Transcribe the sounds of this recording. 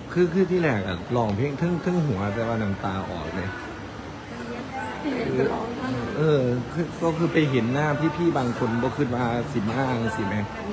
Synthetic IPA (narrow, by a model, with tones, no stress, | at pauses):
kʰɯː˧kʰɯː˧˩t̪ʰiː˥˩lɛː˨˩k̚a̰˨˩lɔː˧˩ŋpʰe˥˩ŋt̪ʰɯ˥˩ŋt̪ʰa˧˥˩ŋɦu˩˦ɐt̪ɛː˧˩waː˥˩na˧˦mt̪aː˧ʔɔ̰ː˨˩k̚nɤ˧˦˧ | kʰɯː˧ʔɤː˧kʰɯ˧˩kɔː˥˩kʰɯː˧pa˧jɦe˩˦nːaː˥˩p̪ʰiː˥˩pʰiː˥˩baː˧ŋkʰo˧nbɔː˧kʰɯː˧˩t̪̚maː˧si˨˩˦maː˧˥˩ŋ˧si˨˩ma˦˥